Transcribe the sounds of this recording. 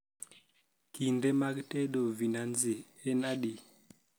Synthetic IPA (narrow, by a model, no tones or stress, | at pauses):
kindemakteɗovinanze | enaɗi